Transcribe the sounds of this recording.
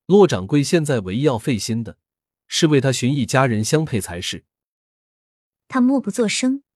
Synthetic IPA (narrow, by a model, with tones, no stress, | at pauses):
lwɔ˥˩ʈ͡ʂɑ˨˩ŋkwe˥ɪɕjɛ˥˧nt͡sa˥˩ɪwe˧˥ɪjɑ˥˧ʊfe˥˩ɪɕi˥nd̪ə˨ | ʂɻ̩˥˧we˥˩ɪt̪ʰa˥ɕy˧˥ni˥˩t͡ɕja˥ɻə˧˥nɕjɑ˥ŋpʰe˥˩ɪt͡sʰa˧˥ɪʂɻ̩˥˩ | t̪ʰa˥mwɔ˥˧˩pu˧˥t͡swɔ˥˩ʂɤ˥ŋ